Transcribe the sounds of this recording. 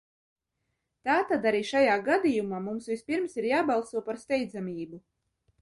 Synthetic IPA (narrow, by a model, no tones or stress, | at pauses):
t̪aːt̪ad̪aɾiːʃajaːɡad̪ijumaːmumsvʲispiɾmsiɾjaːbɑlˠsuɔpaɾst̪ɛjd̪zamʲiːbu